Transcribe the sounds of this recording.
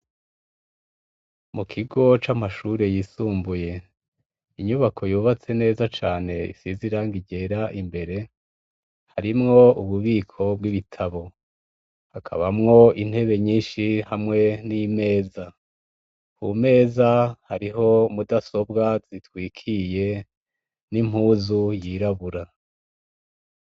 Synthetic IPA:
mukʰiɡo̞t͡ʃamaʃuɾe̞jiːsuːmbuje̞ | iɲuβakʰo̞juːβat͡se̞ne̞ːzat͡ʃaːne̞ḭsiziɾaːŋɡiɟe̞ɾaʔimbe̞ɾe̞ | haɾimŋo̞uβuβiːkʰo̞bɡiβitʰaβo̞ | hakʰa̰βamŋo̞in̥he̞βe̞ɲiːnʃihamŋe̞nime̞ːza | ṵme̞ːzahaɾiɦo̞mudaso̞bɡaz̥itwiːkʰije̞ | nim̥huːzujiːɾaβuɾa

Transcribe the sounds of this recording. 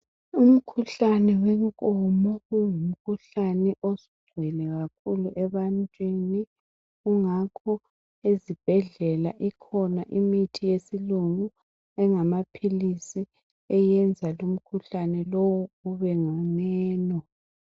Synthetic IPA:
um̩kʰuɬanɛwɛŋkʼɔmɔɣujum̩kʰuɬanɛʔosu̥ɡ͡ǀʱwɛlɛɣak̚ʰuluʔɛβantʼweni | uŋakʰɔ | ezib̥ʱɛɮɛlaʔikʰɔnaʔimitʰijesiluŋu | ɛŋamapʰilisi | ɛjɛnd͡zʱalum̩kʰuɬanɛlowuuβɛŋanɛɛːnɔ

